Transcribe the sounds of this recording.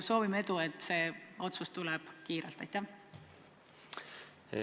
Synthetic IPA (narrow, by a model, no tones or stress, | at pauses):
so̞ːvimee̞d̪ue̞t̪ːˑse̞ːo̞t̪sust̪ulɛb̥kiːɾḛlt̪ːˑɑ̰jt̪ːæ